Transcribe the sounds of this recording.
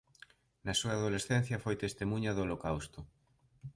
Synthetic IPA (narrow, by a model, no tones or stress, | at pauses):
nɐsuɐaðolesθɛn̟θjɐfojt̪est̪emũɲɐðolokawst̪ʊ